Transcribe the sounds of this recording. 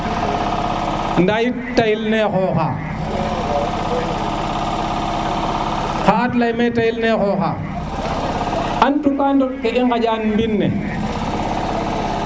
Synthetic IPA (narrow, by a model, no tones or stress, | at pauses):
ndaji | tajilnɛxɔːxa | xaatlajmetajilnexɔxa̰ | ʔantukandɔkkeʔiŋɡad͡ʒanmbinːɛ̰